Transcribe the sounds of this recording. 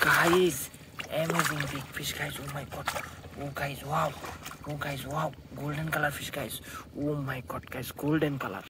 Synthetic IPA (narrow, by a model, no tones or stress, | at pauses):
kajz | ɛmabiŋbiɡpʰiskajzumajkɔtukajzwawuɡajzwaw | ɡolɖɛnkalaɾpʰiskajzumajkɔt̚kajzɡolɖɛnkala̰ɾ